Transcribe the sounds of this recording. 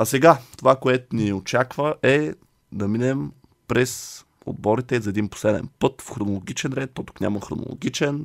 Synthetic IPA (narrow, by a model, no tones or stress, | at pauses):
ɐsɛɡat̪ovakoɛt̪ʊniɛot͡ʃakvəʔɛ | d̪ɐminɛm | pɾɛs | o̰d̪̚bɔɾit̪ɛzɐɛd̪inpo̥slɛd̪ɛ̰npɤt̪fxɾonolˠoɡ̟it͡ʃɛnɾɛt̪̚ːot̪u̥knʲa̰məxɾo̰no̰lˠo̰ɡʲit͡ʃɛn